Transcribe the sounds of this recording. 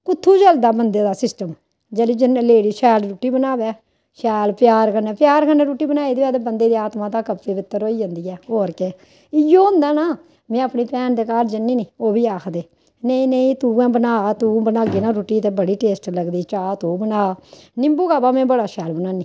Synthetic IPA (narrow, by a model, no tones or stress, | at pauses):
kʊt̪ʰːuːd͡ʒəld̪aːbənd̪eːd̪aːsɪsʈəm | d͡ʒɛːliːd͡ʒənleːɽiːʃɛːlɾuːʈːiːbənaːbɛː | ʃɛːlpɪjaːɾkənɛːpjaːɾkəneːɾuːʈːiːbənaːid̪eɛːd̪ebənd̪eːd̪iːaːt̪mãːt̪aːkəpːeːʋɪt̪ːəɾoːiːd͡ʒə̃ːnd̪iːɛːoːɾke | ɪjoːʊ̃nd̪aːnaː | mɛ̃ːəpniːpɛːnd̪eːkaːʈd͡ʒənːiːniːoːbiːaːkʰd̪eː | nəĩːneĩːt̪uːɛ̃ːbənaːt̪uːbənaːɡiːnãːɾuːʈːiːt̪eːbəɽiːʈeːsʈləɡd̪iːt͡ʃaːt̪uːbənaːnɪ̃mbuːkaːbaːmẽːbəɽaːʃɛːlbənaːniː